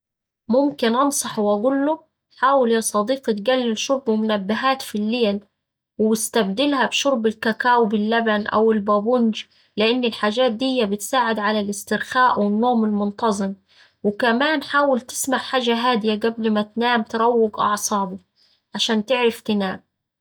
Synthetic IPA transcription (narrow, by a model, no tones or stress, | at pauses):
mʊmkɪnʔɑnsˤɑħwaɡʊlːʊ | ħaːwɪljɑsˤɑd̪iːqɑt̪ɡælːɪlʃʊɾˤbɪmʊnabːɪɦaːt̪filːeːl | wɪwɪst̪abd̪ɪlhabʃʊɾˤbɪlkakaːwbɪlːabanʔa̰wɪlbabʊnd͡ʒ | lɪʔɪnːɪlħaːʒaːt̪̚d̪ɪjːabɪt̪saːʕɪd̪ʕalalɪst̪ɪɾxaːʔwɪnːoːmɪlmʊnt̪ɑzˤɨm | wɪkamaːnħaːwɪlt̪ɪ̥smaʕħaːʒaɦaːd̪ɪjaɡablmat̪naːmt̪ɑɾˤɑwːɪɡʔɑ̰ʕsˤɑːbʊ | ʕaʃaːnt̪ɪʕɾaft̪ɪnaːm